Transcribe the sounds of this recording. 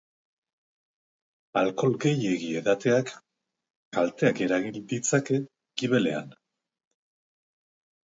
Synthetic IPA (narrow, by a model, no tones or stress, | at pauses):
alko̞lɡe̞je̞ɣie̞ðat̪e̞akː | alt̪e̞ake̞ɾaɣind̪it͡sake̞ | ɡiβe̞le̞̰a̰n